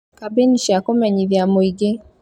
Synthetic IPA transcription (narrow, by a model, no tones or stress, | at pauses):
kabeniʃakomɛɲiβjamoiɡe